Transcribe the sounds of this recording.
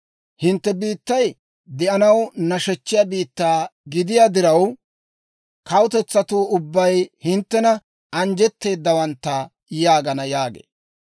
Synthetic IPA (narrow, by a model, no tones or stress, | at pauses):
hɪnt̪ːɛbiːt̪ːɐj | d̪ɛʔɐnɐwnɐʃɛt͡ʃːɪjabiːt̪ːaːɡɪd̪ɪjaːd̪ɪɾɐw | kɐwʊt̪ɛt͡sːɐt̪uːʊbːɐjhɪnt̪ːɛnɐ | ɐnd͡ʒɛt̪ːe̞ːd̪ːɐwɐnt̪ːɐ | jaːɡɐnɐjaːɡḛː